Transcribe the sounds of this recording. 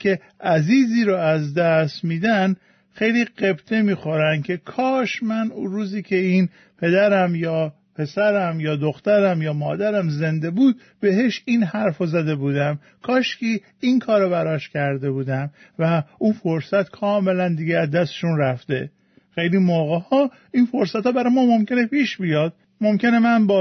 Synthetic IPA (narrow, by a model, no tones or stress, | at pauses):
kʲʰe̞ | æziːziːɾoæzd̪æst̪miːd̪æn | xejliːɢe̞bt̪ʰe̞miːxo̞ɾæncʲʰe̞kʰɒːʃmænuɾuːziːcʰe̞iːn | pʰe̞d̪æɾæmjɒː | pʰe̞sæɾæmjɒːd̪oxt̪æɾæmjɒːmɒːd̪æɾæmze̞nd̪e̞buːd̪̥̚ | be̞ɦeʃinhæɾfozæd̪e̞buːd̪æm | kʰɒːʃcʲiː | inkʰɒːɾɒbæɾɒːʃcʲʰæɾd̪e̞buːd̪æm | væunfoɾsæt̪kʰɒːme̞lænd̪iːɡeæzd̪æst̪e̥ʃunɾæft̪e̞ | xejlimoːɣehɒː | infoɾsæt̪hɒːbæɾɒjmɒːmo̞mce̞nepʰiːʃbijɒːd̪̥̚ | momcʲe̞ne̞mænbɒː